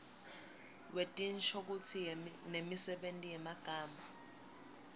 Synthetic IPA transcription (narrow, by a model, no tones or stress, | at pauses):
wetʼint͡ʃʰok̬ut͡sʰinemisɛɓentʼijɛmaɡ̥ʱaːmʱa